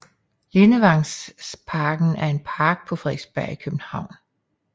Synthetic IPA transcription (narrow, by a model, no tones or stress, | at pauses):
le̝nəʋɑ̈ŋspʰɑ̈ːɡ̥n̩æɐe̝npʰɑ̈ːɡ̥̚pʰɒ̽fʁɛːsb̥æɐ̰ikʰøb̥n̩hɑ̈ʊ̰n